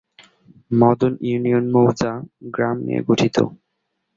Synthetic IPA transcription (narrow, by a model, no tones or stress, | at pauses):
mɔd̪onjunionmowd͡ʑaɡɾamnḭḛɡoʈʰit̪o̰